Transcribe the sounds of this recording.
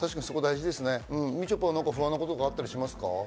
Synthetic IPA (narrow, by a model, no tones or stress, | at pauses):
t̪aɕi̥kaɲisokod̪aiʑid̪e̞sɨne̞ɯ̟̃ɴmʲit͡ɕopːanãŋkaɸɯ̟βãnːokot̪oɡaːt̪ːaɾʲiɕimasɨ̥ka̰